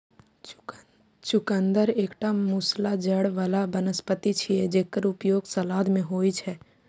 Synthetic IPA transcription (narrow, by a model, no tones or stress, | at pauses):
t͡ʃʊkə̃nd̪əɾeːkʈamuslad͡ʒəɽʋəlabənəspət̪it͡ʃʰied͡ʒeːkːəɾʊpjoːɡsəlaːd̪mẽɦoːit͡ʃʰɛː